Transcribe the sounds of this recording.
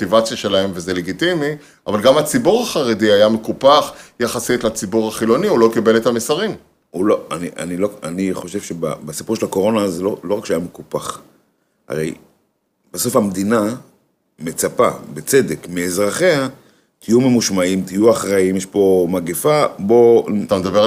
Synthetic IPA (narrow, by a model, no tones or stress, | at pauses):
tivat͡sjaʃelahe̞mvezeleɡitimi | ʔa̰valɡamat͡sibuʁaχaʁediajamekupaχjaχasitlat͡sibuʁaχilo̞niulo̞kibelet̪hamesaʁim | uloaniʔa̰nilo̞a̰niχo̞ʃe̞vʃeba̰basipuʁʃelako̞ʁo̞nazelolo̞ʁakʃeajamekupaχ | a̰ʁḛj | b̥aso̞famd̪ina | me̞t͡sapa̰bet͡sedekmeːzʁaχea | t̪ʰijumemuʃmaimt̪ijuaχʁaimjeʃpo̞maɡifabo̞t̪amed̪abe